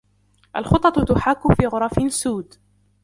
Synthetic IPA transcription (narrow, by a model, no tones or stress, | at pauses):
ʔalxʊt̪ˤːɑt̪t̪ʊħakːʊfiːɣʊɾˤɑfɪsuːd̪